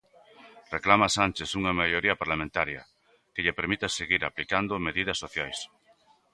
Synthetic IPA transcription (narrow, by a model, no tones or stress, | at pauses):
reklamasanʲt͡ʃesuŋɐmaʎoɾiɐpaɾlamẽnt̪aɾjɐ | keʎepeɾmit̪aseɣiɾaplikand̪omeðiðɐsːoθjajs